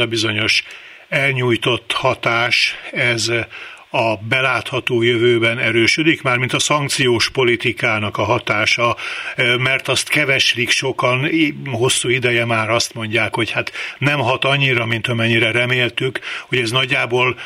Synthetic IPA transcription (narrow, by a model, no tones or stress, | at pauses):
ɒbizo̞ɲo̞ʃ | ɛlɲuːjt̪o̞t̪ːhɒt̪aːʃɛz | ɒbɛlaːt̪hɒt̪oːjøvøːbɛnɛɾøːʃød̪ikmaːrmint̪ɒsɒŋk̚t̪sijoːʃpo̞lit̪ikaːnɒkɒɦɒt̪aːʃɒ | mɛrt̪ɒst̪kɛvɛʃlikʃo̞kɒnɦo̞sːuːid̪ɛjɛmaːɾɒst̪mo̞ɲɟaːkho̞chat̪nɛmɦɒt̪ɒɲːiɾɒmint̪ɒmɛɲːiɾɛɾɛmeːlt̪ykho̞ɟɛznɒɟːaːboːl